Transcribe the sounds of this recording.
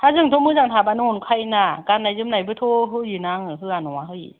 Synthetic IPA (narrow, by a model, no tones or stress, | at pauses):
t̪ʰazɯŋt̪ʰomɯːzaŋt̪ʰaːbanonkʰajnakanːazɯmnabɯt̪ʰoɦɯjɯnaŋɯɦɯanɔaɦɯi